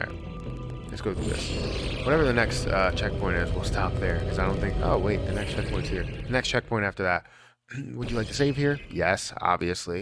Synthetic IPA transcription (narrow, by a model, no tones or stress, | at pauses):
ja̰ | lɨ̰tsɡ̥oʊθɹʉ̰ðɪ̰swʌɾɛvə˞ðɨnɛkstʌt͡ʃʰɛk̚pʰɔ̃ɪ̃ntɪzwɪ̰lˠstʰɑp̚ðə˞kʰʌzaɪɾõʊ̃nθɪ̃ŋko̰ʊweɪt̪̚ðɨnɛkstt͡ʃʰɛk̚pʰɔ̃ɪ̃ntshiɹðɨnɛkst͡ʃʰɛk̚pʰɔ̃ɪ̃ntæftə˞ðæt̚ | wəd͡ʒɨlaɪk̚tɨseɪv̥hiɹjɛsɑ̰bviɨsli